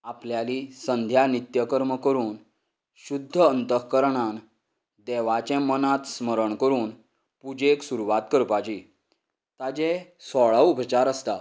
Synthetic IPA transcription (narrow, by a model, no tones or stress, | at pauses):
apljalisənd̪ʱjanit̪jəkəɾməkəɾuːn | ɕud̪ʱːəənt̪əkəɾɳan | d̪ɛʋat͡ɕɛ̃mənãt̪sməɾəɳkəɾuːn | pud͡ʑeksuɾuʋat̪kəɾpat͡ɕi | t̪ad͡ʑɛ̃sɔɭaʋubʱət͡ɕaɾəst̪a